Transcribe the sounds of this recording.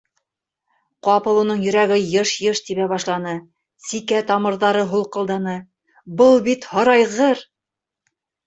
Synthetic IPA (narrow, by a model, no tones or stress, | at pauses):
qɑpɤ̆lˠunɤɴjɵ̆ɾæɡɘjɤʃjɤʃt̪iβæβɑʃlˠɑnɤ | sikæt̪ɑmɤ̆ɾðɑɾɤɦulˠqɤ̆lˠd̪ɑnɤ | bɤlˠbit̪hɑɾɑjʁɤɾ